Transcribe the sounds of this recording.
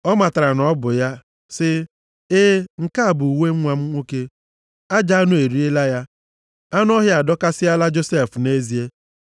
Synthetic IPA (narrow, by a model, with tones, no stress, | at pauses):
ɔ˦ma˨ta˨ɾa˨n˨ɔ˦bʊ˨ja˦ | sɪ˦ | eː˦ŋ̩˨ka˦a˨bu˨u˨we˦ŋ̩˦ŋʷa˨m̩˦ŋʷo˦ke˦ | a˦d͡ʒa˦a˦nʊ˦e˨ɾi˦e˦la˦ja˦ | a˦nʊ˦ɔ˦ɦja˨dɔ˦ka˦sɪ˦a˦la˦d͡ʒo˦se˦˨fne˦zi˨e˦